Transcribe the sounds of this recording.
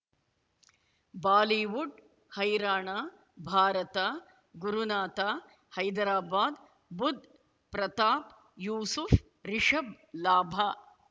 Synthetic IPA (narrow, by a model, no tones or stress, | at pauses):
baːliːʋuɖ | hɐjɾaːɳaː | bʱaːɾɐt̪a | ɡuɾunaːt̪aː | hɐjd̪ɾaːbaːd̪ | bud̪ʱ | pɾɐt̪aːp | juːsuf | ɾiʂɐb | laːbʱaː